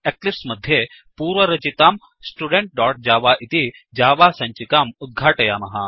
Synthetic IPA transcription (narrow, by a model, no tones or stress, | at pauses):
eklipsmɐd̪ʱje | puːɾʋɐɾɐt͡ʃit̪aːm | sʈuɖeɳʈ̚ɖɔːɾʈ̚d͡ʒaːʋaʔit̪id͡ʒaːʋaːsɐ̃ɲt͡ʃikaːmut̪̚ɡʱaːʈɐjaːmɐɦa